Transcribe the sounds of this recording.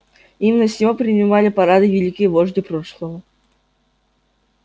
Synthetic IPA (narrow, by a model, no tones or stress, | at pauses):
imnɐsʲɔpɾʲɪnʲɪmalʲɪpɐɾad̪ɨvʲɪlʲikʲɪjəvoʐd̪ɨpɾoʂlˠəvə